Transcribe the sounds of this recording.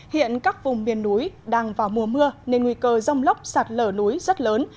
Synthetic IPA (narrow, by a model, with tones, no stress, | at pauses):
hḭ˧˨ənkaː˦˥k̚vʊ˨˩ŋ͡mmi˨˩ənːu˨˦jɗaː˧ŋvaː˨˩wmu˧˩əmɨ˧əne˧nŋwi˧kəː˧zə˧wŋ͡mlə˦˥wk͡p̚saː˨˩t̚ləː˧˩nu˨˦jzə˦˥t̚ləː˨˦n